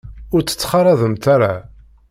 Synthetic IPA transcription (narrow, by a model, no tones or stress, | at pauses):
ʊɾt͡sːə̥t͡sːχɑɾˤɑðˤəmt̪aɾa